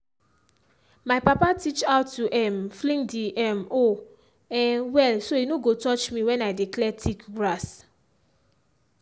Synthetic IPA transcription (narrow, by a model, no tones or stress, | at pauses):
majpapatit͡ʃaʊtːuʔɛmflĩŋdiʔɛmo | ɛ̃wɛlsoinoɡotɔt͡ʃmiwɛ̃naɪdiklɛtʰikɡɹas